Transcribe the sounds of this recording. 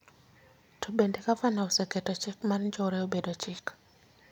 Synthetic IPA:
tʰobendekafanaoseketot͡ʃɪkmarɲd͡ʒɔɾeobedot͡ʃɪk

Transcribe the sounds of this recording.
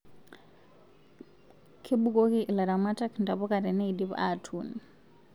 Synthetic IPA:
kʰebukokiʔilaɾamatakndabɔkaɾɛneidiβ̰a̰tʰuni

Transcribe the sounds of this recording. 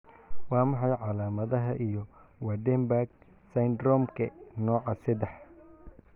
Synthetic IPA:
wɑːmɑħɑjʕɑlaːmɐðɐɦɐʔijɔwɐd̪ɛmbaɡ | sɐjnd̪ɾɔmkʰɐnɔːʕɑsɐd̪ɛħ

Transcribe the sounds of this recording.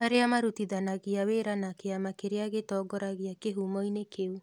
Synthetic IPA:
aɾeamaɾutiðanaɣiaweɾanakeamakeɾeaɣetɔːɡɔɾaɣiakeɦumɔinekeu

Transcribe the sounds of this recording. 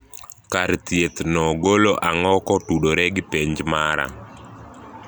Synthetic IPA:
kaɾt̪jet̪nɔɡoloʔaŋɔkɔtuɗoɾɛɡɪpeɲd͡ʒmaɾa̰

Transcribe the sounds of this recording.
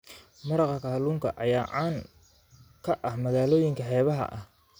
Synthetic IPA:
mɐɾɑqɑkʰɐɦɐluːŋkʰɐʔɐjaːʕaːŋ | kʰɐʔɐhmɐɣaːlɔːjɪŋkʰɐħɛːβɐɦɐ̰ʔɐ̰h

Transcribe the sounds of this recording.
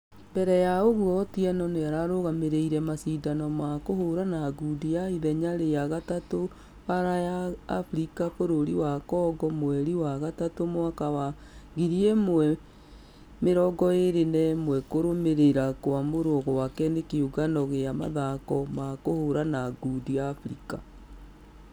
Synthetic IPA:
mbɛɾɛjaoɣuɔtiɛnɔnejaɾaɾoɣameɾeiɾɛmasidanɔmakohoɾanaɡudijaiðɛɲaɾejaɣatato | βaɾajaːfɾikafoɾoɾiwakɔːɡɔmwɛɾiwaɣatatomoakawa | ɣiɾiɛmwɛ | meɾɔɡɔeɾenɛmwɛkoɾomeɾeɾakowamoɾoɔɣɔwakɛnekeuɣanɔɣejama̰ðakɔmakohoɾanaɡudijaːfɾika

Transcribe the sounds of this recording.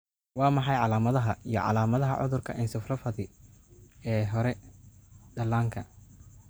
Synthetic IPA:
wɑːmɑħɑjʕɑlaːmɐðɐɦɐijɞʕɑ̰laːmɐðɐɦɐ̰ʕʊ̰ðʊrkʰɐ̰ʔɪnsʊfrɐfɐðɪ | ɛːɦɔɾɛ | d̪̥ɐlaːŋkʰɐ

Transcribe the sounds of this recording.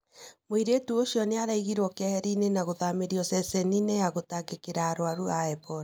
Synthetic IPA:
mwiɾetuoʃiɔneaɾaiɣiɾwɔkɛhɛɾinenaɣoðameɾiɔsɛsɛninejaɣotaɡekeɾaːɾwaɾuaɛpɔɾ

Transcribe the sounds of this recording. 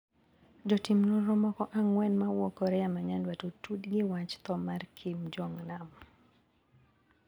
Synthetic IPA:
d͡ʒɔtimnɔɾɔmɔkɔʔaŋwɛnmawɔkɔɾɛamaɲandwatotudɡɪwat͡ʃt̪ɔmarkʰimd͡ʒɔŋnam

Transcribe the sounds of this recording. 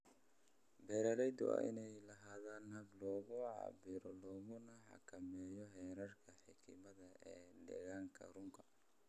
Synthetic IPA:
bɛːɾɐɾɛjd̪ʊ̰a̰ɪ̰nɛjlɐɦaːðaːnhɐblɔːɣʊʕɑ̰bɪɾɔlɔːɣʊnɐħɑ̰kʰɐmɛːjɔɦɛːɾɐrkʰɐħɪkʰɪmɐðɐɛːdɛ̰ɣaːŋkʰɐ̰rʊŋkʰɐ

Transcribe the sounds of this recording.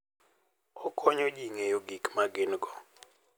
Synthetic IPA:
ɔkʰɔɲod͡ʒiŋejoɡikmaɡɪnɡɔ

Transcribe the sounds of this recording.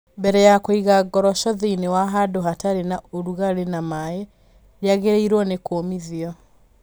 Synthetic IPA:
mbɛɾɛjakoiɣaɡɔɾɔʃɔðiinewaɦadoɦataɾenaoɾuɣaɾenamae | ɾjaɣeɾeiɾwɔnekomiðiɔ

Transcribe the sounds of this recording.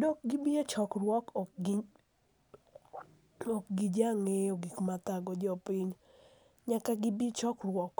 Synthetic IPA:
dɔk̚ɡɪbiet͡ʃɔkɾwɔkɔɡ | ɔkɡid͡ʒaŋeoɡikmat̪aɡɔd͡ʒɔpɪɲ | ɲakaɡɪbit͡ʃɔkrwɔk

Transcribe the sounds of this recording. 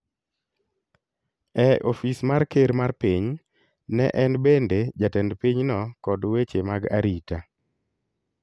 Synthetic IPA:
ɛʔofismarkeɾmarpiɲ | nɛ̰ʔɛnbended͡ʒatɛndpiɲnɔkɔdwet͡ʃemaɡa̰ɾita

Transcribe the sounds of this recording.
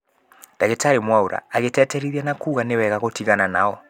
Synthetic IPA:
d̥aɣetaɾemwaoɾa̰ːɣetɛtɛɾiðianakuːɣanewɛɣaɣotiɣananaɔ

